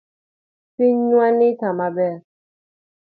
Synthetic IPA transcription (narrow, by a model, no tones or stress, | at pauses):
fiɲwanitamabɛ